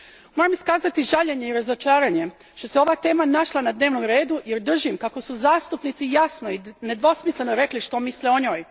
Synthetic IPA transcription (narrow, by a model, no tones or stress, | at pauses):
mo̞ːɾamiskaːzat̪iʒaʎe̞ɲe̞iɾazot͡ʃaːɾaɲe̞ | ʃt̪o̞seoʋaːt̪e̞ːmanaʃlˠanad̪ne̞ːʋnomɾe̞ːd̪uje̞ɾd̪r̩ʒimkako̞suzaːst̪upnit̪sijasnoine̞d̪ʋo̞smisle̞noɾe̞kliʃt̪o̞misleo̞ɲo̞ːj